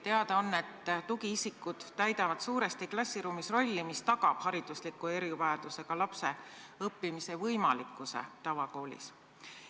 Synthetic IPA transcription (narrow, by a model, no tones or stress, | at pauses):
t̪e̞ɑd̪̥ɑo̞nːe̞t̪ːt̪uɡiisikːˑud̪̥t̪æjd̪ɑvɑd̪̥suːɾe̞st̪iklɑsʲːiɾuːmisro̞lʲːimist̪ɑɡɑb̥hɑɾid̪̥uslikːˑue̞ɾivɑjɑd̪̥use̞ɡ̥ɑlɑpse̞ | ɤpːimise̞vɤjmɑlikːˑusḛt̪ɑvɑko̞ːlʲḭs